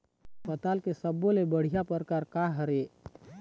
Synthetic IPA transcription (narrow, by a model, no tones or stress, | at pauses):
pət̪aːlkesəbõlebəɽ̤ijapəɾkaːɾkaɦəɾe